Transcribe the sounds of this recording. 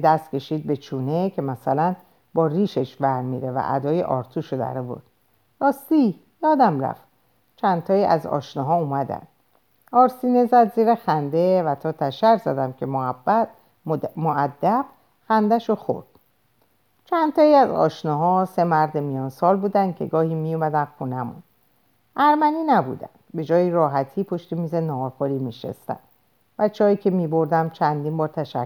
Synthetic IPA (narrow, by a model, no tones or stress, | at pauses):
d̪æst̪̚cʰe̞ʃiːd̪̚be̞t͡ʃʰuːne̞cʰe̞mæsælæn | bɒːriːʃeʃbæɾmiɾe̞væ̰ʔæ̰d̪ɒːje̞̰ʔɒ̰ːɾt̪ʰuːʃod̪æ̰ɾevo̰ɾd̪̥̚ | ɾɒːst̪iː | jɒːd̪æmɾæ̰ft̪ | t͡ʃʰænt̪ʰɒːiːʔæ̰zɒ̰ʃnɔɦɒːumæd̪æ̰n | ɒːɾsiːne̞zæd̪ziːɾexænd̪e̞væt̪ʰɒːt̪ʰæʃæɾzæ̰d̪æmcʰe̞mohæbːæt̪ | moʔæd̪ːæb̥ | xænd̪æʃoxo̰ɾd̪̥ | t͡ʃʰænd̪t̪ʰɒːiæzɒ̰ːʃnɒːɦɒːse̞mæɾd̪emijɒːnsɒːlbuːd̪ænd̪̥̚cʰe̞̰ɡɒːhiːmijumæd̪ænxunæmṵn | ʔæɾmæniːnæbṵd̪æ̰nd̪̥be̞d͡ʒɒːjiɾɒːɦæt̪ʰiːpʰo̞ʃt̪emiːze̞nɒːxoɾiːmiːʃḛst̪æ̰nd̥̪ | væt͡ʃʰɒːjiːcʰe̞miːbo̞ɾd̪æmt͡ʃʰænd̪iːmbɒːɾt̪ʰæʃæ